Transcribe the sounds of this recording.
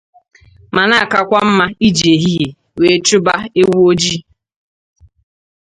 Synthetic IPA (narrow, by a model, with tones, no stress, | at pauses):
ma˨na˦˨ka˨kʷa˦m̩˦ma˦i˦d͡ʒe˨ɦi˦ɦe˨ | we˨˦t͡ʃʊ˦ba˦e˦wu˦o˦d͡ʒi˦